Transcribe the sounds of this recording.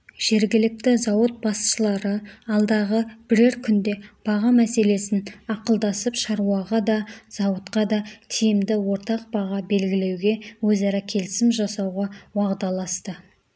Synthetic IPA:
ʒ̥e̞ɾɡʲɪlɪk̚t̪ɪzɑwət̪̚bɑsʃəlˠɑɾəɑlˠd̪ɑʁəb̥ɪɾɪɾkʲʰʏnd̪e̞b̥ɑʁɑmæse̞le̞sɪnɑqəlˠd̪ɑsəpʃɑɾuɑʁɑd̪ɑz̥ɑwət̪qɑd̪ɑt̪ʰijɪmd̪ɪwo̞ɾt̪ɑq̚bɑʁɑbe̞lɡʲɪle̞wɡʲe̞wɵzɑɾɑkʲʰe̞lɪsɪmʒɑsɑwʁɑwɑʁd̪ɑlˠɑst̪ə

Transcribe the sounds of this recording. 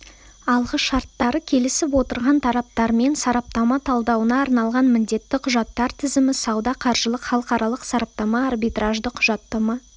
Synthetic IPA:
ɑlˠʁəʃɑɾt̪ːɑɾəkʲʰe̞lɪsɪpwo̞t̪əɾʁɑnt̪ʰɑɾɑp̚t̪ɑɾme̞nsɑɾɑp̚t̪ɑmɑt̪ʰɑlˠd̪ɑwənɑːɾnɑlˠʁɑnmɪnd̪e̞t̪ːɪqʰʊʒɑt̪ːɑɾt̪ʰɪzɪmɪsɑwd̪ɑqʰɑɾʒəlˠəqχɑlˠəqɑɾʔɑlˠəqsɑɾɑp̚t̪ɑmɑːrbijt̪raʒd̪əqʰʊʒɑt̪ːɑmɑ

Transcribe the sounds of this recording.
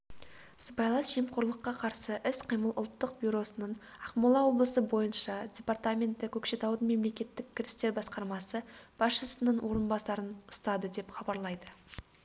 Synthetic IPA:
səbɑjlˠɑsʒemqoɾlˠəqːɑqʰɑɾsəʔɪsqʰijməlˠʔʊ̰lˠt̪ːəq̚bʲjuɾo̞sənəɴɑqmulˠɑwo̞blˠəsəbo̞jənʃɑdʲe̞part̪amʲe̞nt̪ːɪkʲʰɵkʃe̞t̪ɑwd̪əme̞mle̞kʲe̞t̪ːɪkʲʰːɪɾɪst̪e̞ɾbɑsqɑɾmɑsəb̥ɑsʃəsənəɴwʔo̞ɾənbɑsɑɾənʊ̥st̪ɑd̪əd̪e̞pχɑbɑɾlˠɑjd̪ə

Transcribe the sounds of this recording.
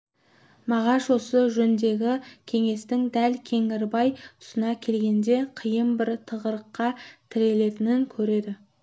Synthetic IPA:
mɑʁɑʃwo̞səʒɵnd̪e̞ɡʲɪkʲʰe̞ŋe̞st̪ɪŋd̪ælkʲʰe̞ŋɪɾbɑjt̪ʰʊ̥sənɑkʲʰe̞lɡʲe̞nd̪e̞qʰijəmbɪɾt̪ʰəʁəɾəqːɑt̪ʰɪɾe̞le̞t̪ɪnɪŋkʲʰɵɾe̞d̪ɪ

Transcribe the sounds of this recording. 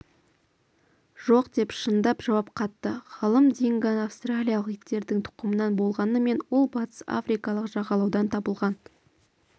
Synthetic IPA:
ʒ̥o̞qd̪e̞pʃənd̪ɑpʒɑwɑp̚qʰɑt̪ːəʁɑlˠəmd̪eŋɡʲɑnafst̪ralʲijɑlˠəqjɪt̪ːe̞ɾd̪ɪŋt̪ʰʊ̥qəmənɑnbo̞lˠʁɑnəme̞nwolˠbɑt̪ʰə̥sa̰frijkɑlˠəqʒɑʁɑlˠɑwd̪ɑnt̪ʰɑbəlˠʁɑn

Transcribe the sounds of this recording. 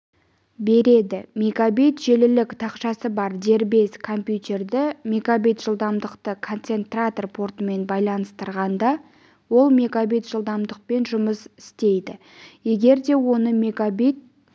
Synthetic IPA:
be̞ɾe̞d̪ɪmekabijt̪ʒe̞lɪlɪkt̪ʰɑqʃɑsəbɑɾd̪e̞ɾbe̞skʰo̞mpjut̪ʲe̞rd̪ɪmʲekabijt̪ʒ̥əlˠd̪ɑmd̪əqt̪əkʰo̞nt̪se̞nt̪rat̪o̞rpʰo̞rt̪əme̞nbɑjlˠɑnəst̪əɾʁɑnd̪ɑ | wo̞lˠmekabijt̪ʒ̥əlˠd̪ɑmd̪əq̚pe̞nʒʊməsɪ̥st̪e̞jd̪ɪ | je̞ɡʲe̞ɾd̪e̞wo̞nəmekabijt̪̚

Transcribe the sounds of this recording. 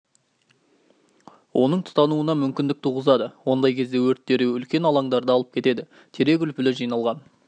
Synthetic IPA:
wʔo̞nəɴt̪ʰʊ̥t̪ɑnuənɑmʏmkʲɪnd̪ɪk̚t̪ʰuʁəzɑd̪əwo̞nd̪ɑjkʲʰe̞zd̪e̞wɵɾt̪ːe̞ɾɪʏlkʲe̞nɑlˠɑɴd̪ɑɾd̪əɑlˠəp̚kʲʰe̞t̪e̞d̪ɪ | t̪ʰe̞ɾe̞kʲʏlpɪlɪʒijnɑlˠʁɑn

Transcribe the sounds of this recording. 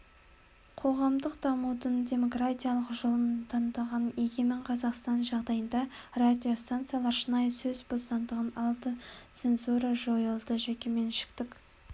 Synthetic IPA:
qʰo̞ʁɑmd̪əqd̪̥ɑmud̪ənd̪ʲe̞mo̞krat̪ʲijalˠəqʒolˠəmt̪ʰɑnd̪ɑʁɑne̞ɡʲe̞mɪɴqʰɑzɑqst̪ɑnʒɑʁd̪ɑjənd̪ɑ | rad̪ʲijo̞st̪ant̪sɨjalˠɑɾʃənɑjsɵzbo̞st̪ɑnd̪əʁənɑlˠd̪ət̪se̞nzuɾɑʒo̞jəlˠd̪əʒekʲe̞me̞nʃɪ̥kt̪ɪk

